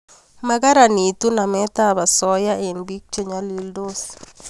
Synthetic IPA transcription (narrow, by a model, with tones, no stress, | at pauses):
ma˦ka˦ɾa˨ni˨t̪u˦na˨mɛ˦t̪a˦ba˨sɔ˦ja˦e˨nbi˦k̚t͡ʃo˦ɲa˦li˦ldo˦s